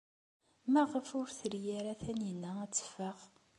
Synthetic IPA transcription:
mæʁəfʊɾθəɾjaɾaθænjənːææt͡sːə̥fəʁ

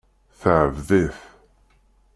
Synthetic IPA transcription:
θəʕəvðiθ

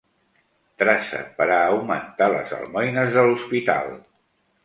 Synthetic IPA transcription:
t̪ɾasə̰pəɾaːwmənt̪alə̰zə̰lˠmɔjnəzðəluspit̪a̰lˠ

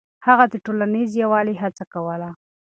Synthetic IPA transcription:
haɣad̪əʈolanizjawɑliɦat͡sakawəla

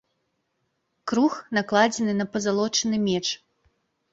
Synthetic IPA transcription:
kɾuxn̪aklˠad͡zʲɛnɨnɐpɐzalˠɔt͡ʂɨnɨmʲɛt͡ʂ

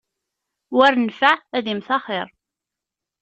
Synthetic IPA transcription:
wæɾnfaʕæðimθɑχɪɾˤ

